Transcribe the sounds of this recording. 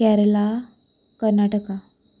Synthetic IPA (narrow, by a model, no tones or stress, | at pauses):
ɛɾla | kəɾnaʈəka